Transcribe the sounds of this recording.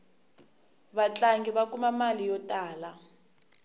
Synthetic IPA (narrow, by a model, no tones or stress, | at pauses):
βat͡ɬaŋɡiβakumamalijɔtʼaːla